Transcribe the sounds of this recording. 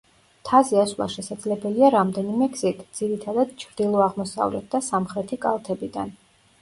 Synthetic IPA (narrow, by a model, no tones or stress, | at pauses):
t̪ʰaziaslˠa̰ʃɛsad̪zlɛbɛliaɾamd̪ɛnimɛɡz̥it̪ʰd̪z̥iɾit̪ʰad̪ad̪̥̚t͡ʃʰɾd̪̥ilˠɔaʁmɔsa̰vlɛ̰t̪̚ʰd̪asamχɾɛt̪ʰikʼa̰lˠt̪ʰɛbid̪a̰n